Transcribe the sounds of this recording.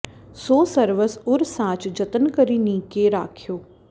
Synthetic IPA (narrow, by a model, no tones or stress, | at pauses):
soːsəɾʋəsʊɾsãːt͡ʃd͡ʒət̪ənkəɾiːnĩːkeɾa̰ːkʰjoː